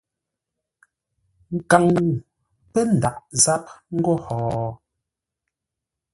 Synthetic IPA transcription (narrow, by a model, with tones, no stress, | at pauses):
ŋ̩˨ka˨ŋu˨ | pɛ˦n̩˨da˨ʔza˦p̚ŋ̩˦ɡɔ˦hɔː˨